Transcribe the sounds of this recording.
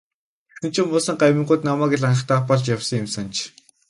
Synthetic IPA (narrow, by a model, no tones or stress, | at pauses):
e̥sɘ̆n̥t͡ɕʰʊ̆ːmʊːsə̆ŋɢajwmĭɴɢʊːt̪namæːɡĕɮanə̆χt̪aːpɔɮt͡ɕjawsɞ̆ŋjʊmsant͡ɕ